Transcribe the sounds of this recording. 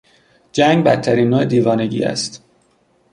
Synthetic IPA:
d͡ʒæŋɡbæ̰t̪ʰːæɾiːnːoːed̪iːvɒːne̞ɟḭːæ̰st̪

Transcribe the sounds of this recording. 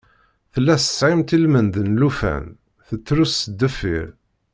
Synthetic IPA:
θəlːæsə̥sʕimt̪ilmənd̪ənlufæ̰n | θət͡sːɾusəd̪ːəfːḭɾ

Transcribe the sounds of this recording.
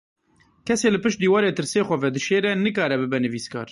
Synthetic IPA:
kʰɛseːlɨpɨʃt̪̚d̪iːwɑːɾeːt̪ɨɾseːxʷɛvɛd̪ɨʃeːɾɛnɨkɑːɾɛbɨbɛnɨviːskɑ̰ːɾ

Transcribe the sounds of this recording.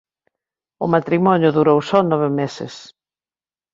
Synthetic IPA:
ʊmat̪ɾimɔɲʊðuɾowsɔnɔβɪmesɪ̰s

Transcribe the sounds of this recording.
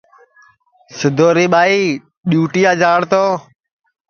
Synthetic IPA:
sɪd̪ʱoːɾiːɓaːiː | ɗjuːʈɪjaːd͡ʒaːɽt̪oː

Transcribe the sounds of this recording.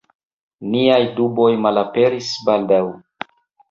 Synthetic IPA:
niajdubo̞jmalape̞ɾisbaldaw

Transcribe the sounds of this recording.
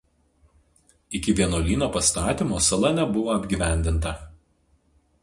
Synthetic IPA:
ɪkʲɪʋʲiɛnoːlʲiːnoːpɐst̪ɑːt̪ʲɪmoːsɐlˠɐnʲɛbʊʋoːɐbʲɡʲiːˑʋʲæˑnʲd̪ʲɪnt̪ɐ

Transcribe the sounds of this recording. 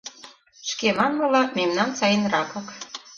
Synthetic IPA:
ʃkemɑnmɤlɑmemnɑnsɑjənrɑpɤk

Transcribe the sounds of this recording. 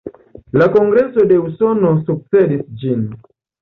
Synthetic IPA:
lakɔŋɡɾɛsɔdɛusɔnɔsuk̚sɛdisd͡ʒin

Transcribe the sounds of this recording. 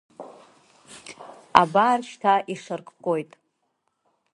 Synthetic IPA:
a̰baːrʃtʰaʔiʂarkʼqʼojtʼ

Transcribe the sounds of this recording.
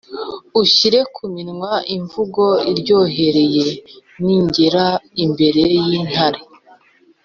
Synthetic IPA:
uʃiɾe̞kʰuminŋwaʔiɱvuɡo̞iɾɟo̞ːɦe̞ɾe̞je̞niɲɟeɾaimbe̞ɾe̞jin̥haɾe

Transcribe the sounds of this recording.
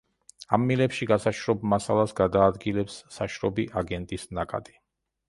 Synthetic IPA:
amːilɛpʃiɡasaʃɾɔbmasalˠasɡad̪aːd̪ɡilɛpsːaʃɾɔbiʔaɡɛnt̪ʼisnakʼa̰t̪ʼi̥

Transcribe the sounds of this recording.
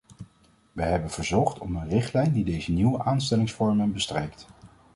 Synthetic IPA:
ʋəɦɛbənv̥əɹzɔχtɔmənrɪχtlɛjndidejzəniwəʔaːnstɛlɪŋsfɔɹmənbəstrejkt

